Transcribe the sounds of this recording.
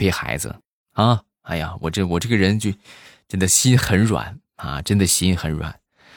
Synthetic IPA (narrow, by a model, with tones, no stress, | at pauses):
pe˥˩ɪxa˧˥ɪd͡zɹə̰˧ | ɐ˥˧ | a˥ɪja˨˩wʔɔ̰˨˩ʈ͡ʂə˥˧wɔ˨˩ʈ͡ʂɤ˥˩ɡə˩ɻə˧˥nt͡ɕjo˥˩ʊʈ͡ʂə˥nd̪ə˨˩ɕi˥nxə˧˥nɻwa̰˨˩˦n | ɐ̰˧˩ʈ͡ʂə˥nd̪ə˨ɕi˥nxə˧˥nɻwa̰˨˩˦n